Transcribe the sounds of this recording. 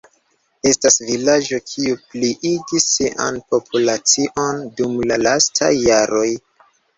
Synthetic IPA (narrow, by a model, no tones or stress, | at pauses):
e̞stasvilad͡ʒo̞kʰiupliʔiɡisiʔa̰npo̞pʰulat͡siʔo̞ndumlalastʰa̰jːaɾo̞j